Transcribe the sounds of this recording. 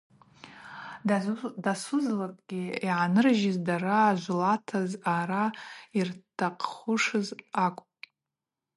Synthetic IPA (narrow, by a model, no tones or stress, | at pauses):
dasʊzlakʼɡʲiiʕanɨrʒɪzdaraːʒʷlatʰazaɾairtʰaqʰʼχʊʂɨzakʷʼpʼ